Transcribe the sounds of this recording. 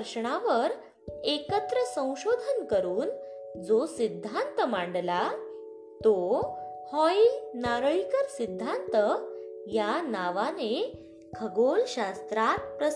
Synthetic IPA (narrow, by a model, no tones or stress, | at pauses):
ɾɕɳaʋəɾ | ekət̪ɾəsə̃w̃ɕod̪ʱənkəɾuːn | d͡zosid̪ʱːant̪əmaɳɖla | t̪o | hɔinaɾɭikəɾsid̪ʱːant̪əjanaʋane | kʰəɡolɕast̪ɾat̪̚pɾə